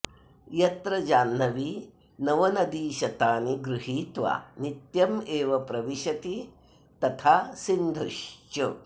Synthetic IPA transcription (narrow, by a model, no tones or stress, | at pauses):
jɐt̪ɾɐd͡ʒaːnːɐʋi | nɐʋɐnɐd̪iːʃɐt̪aːniɡɾuɦiːt̪ʋa̰ːnit̪jɐmeːʋɐpɾɐʋiʃɐt̪i | t̪ɐt̪ʰaːsind̪ʱuʃt͡ʃu